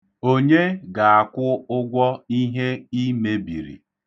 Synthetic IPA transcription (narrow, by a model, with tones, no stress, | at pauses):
o˦ɲe˦ɡa˨a˨kʷʊ˦ʊ˦ɡʷɔ˦i˦ɦe˦i˦me˨bi˨ɾḭ˨